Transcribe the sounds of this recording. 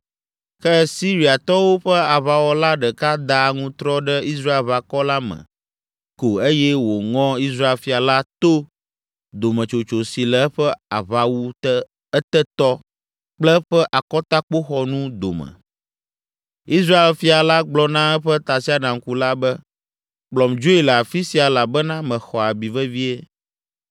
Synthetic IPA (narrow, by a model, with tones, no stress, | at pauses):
kɛ˦si˦ɾi˨a˨t̪ɔ˦wo˦ɸɛ˦a˨βa˨wɔ˦la˦ɖɛ˨ka˦d̪a˨ŋũ˦t̪ɾɔ˦ɖɛ˦i˦s̬ɾa˦e˨lβa˨kɔ˦la˦mə̰̃˨ | ko˨e˦jɛ˦wo˨ŋɔ̃˦i˦s̬ɾa˦e˨lfi˦a˨la˦t̪o˦ | d̪o˨mə̃˨t͡ʃo˨t͡ʃo˨si˨lɛ˨˦ɸɛ˦a˨βa˨wu˦ | ɛ˦t̪ɛ˦t̪ɔ˦ | k͡plɛ˦ɸɛ˦ʔa˨kɔ˦t̪a˦k͡po˦xɔ˦nũ˦d̪o̰˨mɛ̰˨ | i˦s̬ɾa˦e˨lfi˦a˨la˦ɡ͡blɔ˨˦nã˦ɛ˦ɸɛ˦t̪a˨si˦a˨ɖã˨ŋ̩˨˦ku˦la˦bɛ˦ | k͡plɔ˨md͡ʒo˦i˨lə˨a˨fi˦si˦a˨la˨bɛ˦nã˦mɛ̃˨xɔ˨a˨bi˨vɛ˦vi˦e˦